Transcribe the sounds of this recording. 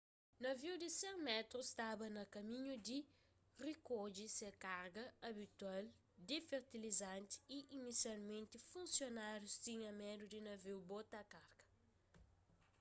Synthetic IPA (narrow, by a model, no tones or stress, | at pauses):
nɐviwdisɛmɛt̪ɾust̪abɐnɐkɐmĩɲudi | rikod͡ʒisekaɾɡɐɐbit̪wal | d̪efeɾt̪ilizãnt̪i̥iʔinisjalmẽnt̪ifũnsjonaɾjust̪ĩɲɐmɛdudinɐviwbot̪ɐkaɾɡɐ̥